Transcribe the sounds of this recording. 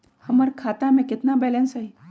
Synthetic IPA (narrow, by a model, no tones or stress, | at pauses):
həmaɾkʰat̪amẽkɪt̪nabɛlɛnsɦəj